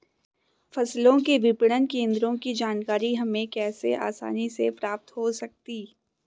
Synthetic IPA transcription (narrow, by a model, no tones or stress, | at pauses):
fɐslõkeʋɪpɽənkẽːnd̪ɾõkid͡ʒaːnkaːɾiɦɐmẽkɛːsḛʔa̰ːsa̰ːnisepɾaːp̚t̪ɦosɐk̚t̪iː